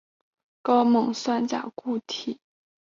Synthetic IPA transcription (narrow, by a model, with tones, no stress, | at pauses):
kɑ˥ʊmɤ˧˥ŋswa˥˩nt͡ɕja̰˨˩ku˥˩t̪ʰi˨˩˦